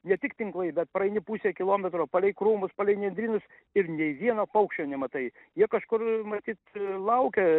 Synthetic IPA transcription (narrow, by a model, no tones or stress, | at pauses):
nʲɛt̪ʲɪkt̪ʲɪŋklˠɐɪbʲɛt̪̚pɾɐɛɪnʲɪpuːsʲeːkʲɪlˠoːmʲɛt̪ɾoːpɐlʲɛɪjkɾuːmʊspɐlʲɛɪnʲɛnʲd̪ɾʲiːnʊs | ɪɾnʲɛɪʋʲiɛnoːpɐʊkʃʲt͡ʃʲoːnʲɛmɐt̪ɐɪ | jiɛkɐʃkʊrmɐt̪ʲiːt̪lˠɐʊkʲɛ